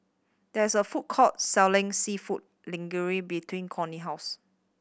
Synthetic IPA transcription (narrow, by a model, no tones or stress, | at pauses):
d̥ɛɪsəfut̚kʰɔtsɛlɪ̃ŋsifut̚ | lɪ̃ŋɡəɹibitʰwĩnkʰɔniɦaʊs